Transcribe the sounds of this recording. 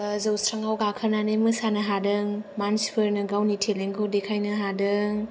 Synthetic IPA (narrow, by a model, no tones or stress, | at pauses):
zɯwsɾaŋawɡakʰəɾnanemɯsanɐɦadɯŋmanspʰɯɾnɯɡawnitʰeleŋɡʰodekʰajnɯɦadɯŋ